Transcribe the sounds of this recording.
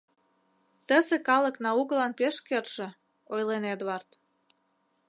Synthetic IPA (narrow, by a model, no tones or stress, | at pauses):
t̪əzekɑlə̆knɑuɣəlɑnpeʃkerʃĕ | ojlened̪βɑrt̪